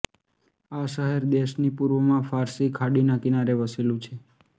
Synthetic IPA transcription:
aʃəɦɛɾd̪eʃnipuɾʋəmãfaɾsikʰaɽinãkinaɾeʋəselũt͡ʃʰe

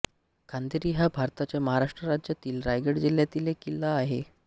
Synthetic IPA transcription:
kʰand̪iɾiːɦjabʱaɾt̪at͡ɕjaməɦaɾaʂʈɾəɾad͡ʑjat̪iːlɾajɡeɽd͡ʑiljat̪iːlekilːaːɦe

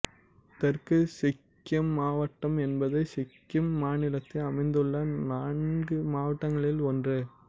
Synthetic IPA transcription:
t̪ɛrkɯsɪkːjɐmːaːʋɐʈːɐmɛnbɐðɐɪsɪkːɐmːaːnɪlɐt̪ːɐɐmɐɪnd̪ɯɭːɐnaːnɡɯmaːʋɐʈːɐŋɡɐɭɪlɔndrɯ

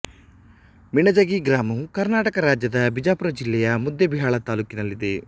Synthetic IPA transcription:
miɳɐd͡ʒɐɡiɡɾaːmɐukɐɾnaːʈɐkɐɾaːd͡ʒjɐd̪ɐbid͡ʒaːpuɾɐd͡ʒilːɛjɐmud̪jɐbiɦaːɭɐt̪aːluːkinɐlːid̪e̞

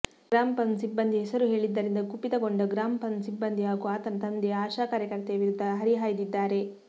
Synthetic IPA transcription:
ɡɾaːmpɐnsibːɐnd̪iɦɛsɐɾuɦe̞ːɭid̪ːɐɾind̪ɐkupːit̪ɐɡo̞ɳɖɐɡɾaːmpɐnsibːɐnd̪iɦaːɡuaːt̪ɐnt̪ɐnd̪eaːʃaːkaːɾjɐkɐɾɐt̪eʋiɾud̪ʱːɐɦɐɾiɦaːjɐd̪id̪ːaːɾe̞

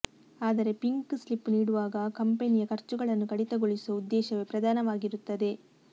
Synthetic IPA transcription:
aːd̪ɐɾe̞piŋkslipːniːɽuʋaːɡɐkɐmpenijɐkɐɾt͡ʃuɡɐɭɐnːukɐɽit̪ɐɡoɭisuɐud̪ːɛːʃɐʋepɾɐd̪aːnɐʋaːɡiɾut̪ːɐd̪e̞

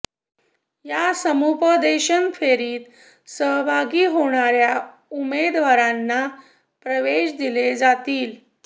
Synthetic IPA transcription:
jasəmupəd̪eɕənfeɾiːt̪ | səɦbʱaɡiːɦoɽ̃aɾja | umed̪ʋaɾanːa | pɾəʋeɕd̪iled͡zat̪iːl

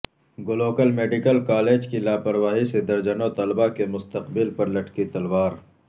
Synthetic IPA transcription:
ɡoloːkəlmeːɖikəlkaːleːd͡ʒkilaːpɐɾʋaːɦised̪ɐɾd͡ʒənot̪ɐlbakemʊst̪əqbɪlpɐɾlɐʈkit̪ɐlwaːɾ

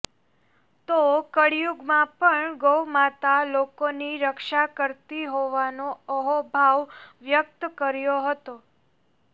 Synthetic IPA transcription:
t̪okəɽjuɡmãpəɳɡowmat̪alokoniɾəkʃakəɾt̪iɦoʋanoəɦobʱaʋʋjək̚t̪kəɾjoɦət̪o

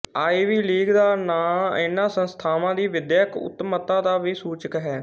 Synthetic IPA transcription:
aːiːʋiːliːɡd̪aːnaːɪnːãːsənst̪ʰaːmãːd̪iːʋɪd̪jəkʊ̰t̪ːmət̪ãːd̪aːʋiːsuːt͡ʃəkɦɛː

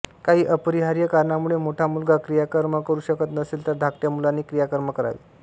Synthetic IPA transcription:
kaɦiːʔəpəɾiɦaɾjəkaɾɳamuɭemoʈʰamulɡʱakɾijakəɾməkəɾuːɕəkət̪nəseːlt̪əɾd̪ʱakʈ̪jamulanːiːkɾijakəɾməkəɾa̰ʋḭ

